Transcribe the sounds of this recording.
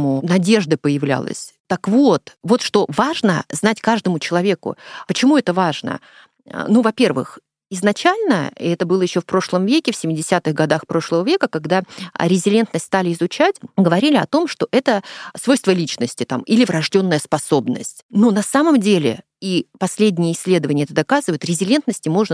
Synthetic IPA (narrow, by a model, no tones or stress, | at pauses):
mʊnɐdʲe̞ʐd̪ɨpəjɪvlʲæ̰lˠə̰sʲ | t̪əkvo̞t̪vo̞t̪ʂt̪o̞vaʐnəznatʲkaʐd̪əmʊt͡ɕɪlˠɐvʲe̞kʊ̰pət͡ɕɪmuɛt̪əvaʐnə̰ | nuvɐpʲe̞rvɨ̰x | ɪznɐt͡ɕælʲnəiɛt̪əbɨlˠəjɪɕːofpɾo̞ʂlˠəmvʲekʲɪfsʲɪmʲɪdʲɪsʲat̪ɨxɡɐd̪axpɾo̞ʂlˠəvəvʲe̞kəkaɡd̪a̰ɾʲɪzʲɪlʲe̞nt̪nəsʲt̪ʲst̪alʲɪɪzʊt͡ɕætʲɡəvɐɾʲilʲɪɐt̪o̞mʂt̪o̞ʔɛt̪əsvo̞jst̪vəlʲit͡ɕnəsʲtʲɪt̪amilʲɪvɾɐʐdʲo̞nːəjəspɐso̞bnə̰sʲtʲnonɐsaməmdʲelʲɪ̰ | ipɐsʲlʲedʲnʲɪjəɪsʲlʲe̞d̪əvənʲɪəɛt̪əd̪ɐkazɨvəjʊt̪ɾʲɪzʲɪlʲe̞nt̪nəsʲtʲɪmo̞ʐnə